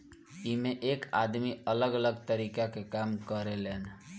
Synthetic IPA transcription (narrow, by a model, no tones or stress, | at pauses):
imeʔeka̰d̪miələɡələɡt̪əɾiːkakekamkəɾelen